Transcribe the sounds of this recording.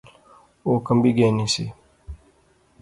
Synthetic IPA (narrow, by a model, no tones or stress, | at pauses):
okəmbiɡenĩsḭ